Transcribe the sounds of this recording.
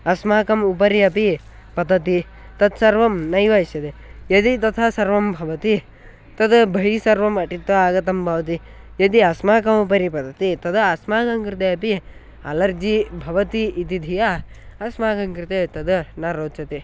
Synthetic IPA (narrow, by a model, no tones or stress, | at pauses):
ɐsmaːkɐmupɐɾiɐpi | pɐd̪ɐt̪i | t̪ɐt̪sɐɾʋɐmnɐjʋɐʃɐd̪ejɐd̪it̪ɐt̪ʰasɐɾʋɐmbʱɐʋɐt̪i | t̪ɐd̪bʱɐɦisɐɾʋɐmɐʈit̪ʋɐaːɡɐt̪ɐmbʱɐʋɐt̪̬ijɐd̪iɐsmaːkɐmupɐɾipɐd̪ɐt̪it̪ɐd̪asmaːɡɐŋkɾɪt̪̬ejɐpi | alɐɾd͡ʒibʱɐʋɐt̪iːt̪id̪ʱijaɐsmaːɡɐŋkɾɪt̪et̪ɐd̪naɾoːt̪t͡ʃɐt̪i